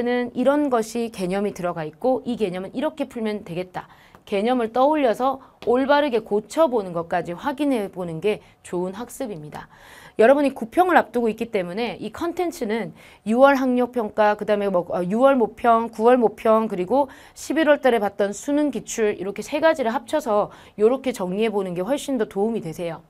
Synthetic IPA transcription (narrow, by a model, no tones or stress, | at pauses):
nɯniɾʌnɡʌɕʰike̞ɲʌmitɯɾʌɡait̚k͈oike̞ɲʌmɯniɾʌkʰe̞pʰuɭmjʌntwe̞ɡe̞t̚t͈a | ke̞ɲʌmɯɭt͈ʌuʎːʌsʰʌoɭbaɾɯɡe̞kot͡ɕʰʌbonɯnɡʌt̚k͈ad͡ʑiɸwaɡinɦe̞bonɯnɡe̞ | t͡ɕoɯnɸak̚s͈ɯbimɲida̰ | jʌɾʌbunɲikupʰjʌŋɯɭɾap̚t͈ɯɡoik͈it͈e̞mune̞ʔikʰʌntʰe̞nt͡ɕʰɯnɯn | juwʌɭɦaŋɲʌk̚pʰjʌŋk͈akɯdaɯme̞mwʌʌjuwʌɭmopʰjʌŋkuwʌɭmopʰjʌŋkɯɾiɡo | ɕʰibiɾwʌɭt͈aɾe̞pat̚t͈ʌnsʰunɯnkit͡ɕʰuɾḭɾʌkʰe̞sʰe̞ɡad͡ʑiɾɯɭɦap̚t͡ɕʰʌsʰʌ | joɾʌkʰe̞t͡ɕʌŋɲiɦe̞bonɯnɡe̞ɸwʌɭɕ͈indotoumidwe̞sʰe̞jo